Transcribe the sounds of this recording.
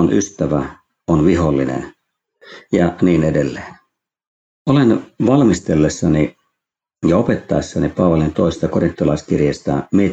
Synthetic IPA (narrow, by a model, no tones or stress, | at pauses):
onʔyst̪æʋæ | onʋiɦolːinḛn | jɑniːnedelːeːn | olenʋɑlmist̪elːesːɑni | jɑopet̪ːɑesːɑnipɑːʋɑlint̪oisest̪ɑkorint̪ːolɑiskirjest̪ɑmie